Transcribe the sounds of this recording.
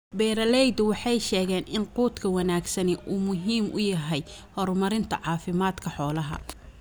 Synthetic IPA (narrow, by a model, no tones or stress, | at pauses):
bɛːɾɐlɛjd̪ʊwɑħɑjʃɛːɣɛːnɪnquːt̪kʰɐwɑnaːɡsɐnɪʔuːmʊɦiːmʔʊ̰jɐɦɛjhɔrmɐɾɪnt̪ʰɐ̰ʕɑːfɪmaːd̪kʰɐħɔːlɐɦɐ̰